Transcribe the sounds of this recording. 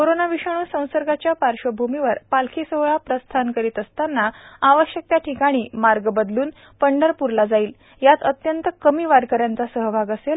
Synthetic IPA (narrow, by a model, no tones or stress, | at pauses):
koɾonaʋiɕəɽ̃uːsə̃w̃səɾɡat͡ɕjapaɾɕəbʱumiʋəɾpalkʰisəɦɭapɾəst̪ʰankəɾiːt̪əst̪anːaaʋəɕjək̚t̪jaʈʰikaɽ̃iːmaɾɡbəd̪luːn | pəɳɖəɾpuɾlad͡zaiːl | jat̪ət̪jənt̪əkəmiːʋaɾkəɾjant͡sasəɦəbʱaɡəsel